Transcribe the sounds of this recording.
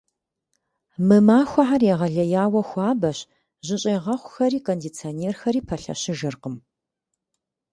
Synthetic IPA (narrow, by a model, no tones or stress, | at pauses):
mɨmaːxʷaħarjeʁɐɮɐjaːwɐxʷaːbɐɕ | ʑɪɕʼeːʁɐχʷxɐɾiːkʰondit͡sʰioneːrxɐɾiːpʰɐɬɐ̰ɕɪʒɨrqəm